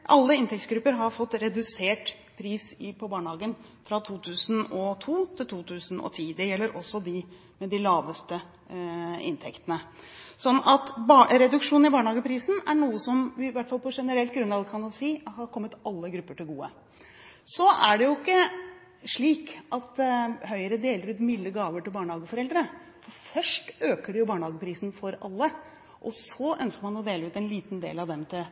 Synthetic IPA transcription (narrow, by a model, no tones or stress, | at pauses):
ʔɑlːəɪnt̪ʰɛkt̪sɡɾʉpːəɾɦɑɾfɔt̪ːɾɛd̪ʉseːʈ | pʰɾiːsɪpʰɔbɑːɳəhɑːɡən | fɾɑt̪ʰuːt̪ʰʉːsnɔt̪ʰuːt̪ʰɪlt̪ʰuːt̪ʰʉːsn̩ɔ̰t̪ʰiːd̪ɛjɛlːəɾʔɔsːɔd̪ɪ | mɛd̪ɪlɑːʋəst̪ə | ɪ̰nt̪ʰɛkt̪ənə | sɔnːɑt̪bɾɛd̪ʉkʂuːnɪbɑːɳəhɑːɡəpʰɾiːsn̩æɳuːəsɔmʋɪʋæʈfɑlpʰɔʂɛnəɾɛlt̪̚ɡɾʉnːɑʋd̪kʰɑnd̪ɛsiːhɑɾkʰɔmːət̪ɑlːəɡɾʉpːəʈɪlɡuːə̰ | sɔæɖɛjʊɪkːə | ʂɭiːkʔɑt̪ɦœʏəɾəd̪eːləɾʉːt̪mɪlːəɡɑːʋəʈɪlbɑːɳhɑːɡəfɔɾɛld̪əɾə | fɔɾfœʂʈøːkəɖɛjʊbɑːɳəhɑːɡəpʰɾiːsnfɔɾɑ̰lːə | ʔɔsɔʔœnskəɾmɑnɔd̪eːləʉːt̪ɛnliːt̪nd̪ḛːlɑʋd̪ɛmt̪ʰɪl